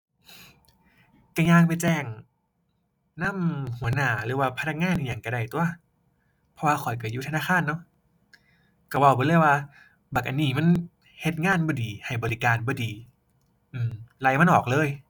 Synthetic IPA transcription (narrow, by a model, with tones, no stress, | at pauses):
ka˧˩ɲaː˧ŋpa˨jt͡ɕɛː˧˩ŋ | na˧˥˨mhu˨˦ɐnaː˨˩˦lɯː˨˦waː˧˩p̪ʰnʰa˧˥kŋaː˧˥˨nʔi˧˩˨ɲaː˨˩ŋka˧˩da˧˩jt̪u˧ɐ | pʰɔ˧waː˧kʰɔ˨˩jka˧˩juː˧t̪ʰa˧naː˧˥˨xʰaː˧˥˨nːɔ˧˥˨ | ka˧˩wa˧˩wbɔː˧˦lɤ˧˩˨jwaː˧ | baː˨˩k̚ʔa˧˨nːiː˧˩ma˧˥˨n | he˧t̪̚ŋaː˧˥˨nbɔː˧˩diː˨˩ha˨˩jbɔː˨li˦˧˩kaː˨nbɔː˧˦diː˨ | ʔɯː˧˩mla˧˩jma˧˥nʔɔː˨˩k̚lɤː˧˥˨j